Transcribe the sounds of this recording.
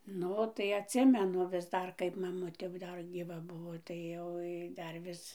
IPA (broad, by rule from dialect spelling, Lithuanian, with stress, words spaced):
ˈnʊ tɐɪ ɐtʲˈsʲɪmʲɛnʊ ʋʲɪs ˈdɐr kɐɪp mɐˈmʊtʲeː jɛʊ ˈdɐr ɡʲiːˈʋɐ ˈbʊʋoː tɐɪ ˈjoːj dɐr ˈʋʲɪs